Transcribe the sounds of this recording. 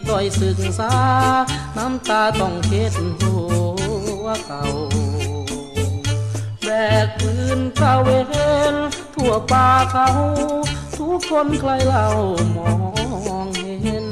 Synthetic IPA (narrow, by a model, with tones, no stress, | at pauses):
dɔ˧˩jsɯ˨˩ŋsaː˧˥na˧˥˨mt̪aː˧t̪ɔ˧˩ŋke˧˩t̪̚nt̪u˧˩˧ | ka˨˩w | bɛː˨˩k̚ʔɯ˧nt̪a˧˩we˧e˧nt̪ʰu˧˩əpaː˧kʰa˧wt̪ʰu˧˥kʰːo˧˥˨nkʰla˧jla˧˩wmɔː˨˩˧ɔ˧ŋhe˧n